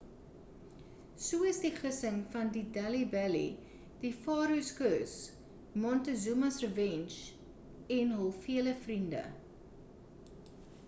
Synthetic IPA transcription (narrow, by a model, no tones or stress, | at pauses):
suəəsdiχəsəŋfɐndidælibælḭ | difɑːɾuskəs | mɔntəzumɐsrəvɛnʃ | ɛnɦəlˠfiələfrində̰